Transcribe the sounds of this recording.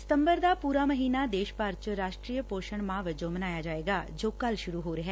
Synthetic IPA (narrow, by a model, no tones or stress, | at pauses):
st̪ə̃mbəɾd̪aːpuːɾaːməɦiːnad̪eːʃpaɾt͡ʃɾaːʃʈɾiːjəpoːʃəɳ̃mãʋəd͡ʒõmɐnaːjad͡ʒaːeːɡaːd͡ʒoːkɐlʃʊɾuɦoːɾɐɦɛː